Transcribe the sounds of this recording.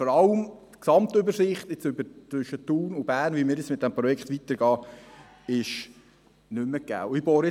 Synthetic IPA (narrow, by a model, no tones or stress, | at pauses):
fɔɾɑləmtksɑmt̪ʏbəɾsɪχt̪ɪt͡sʏbəɾt͡sʋʏʃːət̪uːnʊbæːɾnʋimɪːɾɛt͡ssmɪt̚d̥ɛmpɾɔjɛkχt̪ʋit̪əɾɡɑː | ɪʃ | nʏmːəkæ̰wɪbɔːɾɛ